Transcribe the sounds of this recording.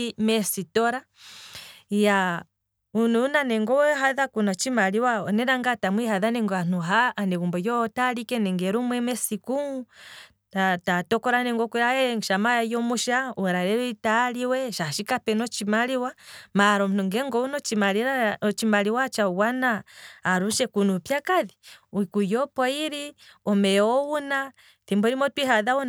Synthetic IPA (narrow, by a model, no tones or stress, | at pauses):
mɛsitɔɾa | ja | ununanɛŋɡɔwɛɦaðakunat͡ʃimaliwaɔnɛɾaŋɡatamwihaðanɛŋɡɔan̥uɦaʔːnɛβumbɔjɔtalikɛnɛŋɡɛɾumwɛmɛsiku | atatɔkɔɾanɛŋɡɔkɛɾaɛʃamajajɔmuʃauɛɾaɾɛɾitaliwɛʃaʃikapɛnɔt͡ʃimaliwamaɾɔmnuŋɡɛŋɡɔunɔt͡ʃimaɾiɾat͡ʃimaliwat͡ʃauwanaːɾuʃɛkunupjakaðiuikujɔpɔiɾiɔmɛɔwuna | θimbɔɾimɔtwiɦaðaun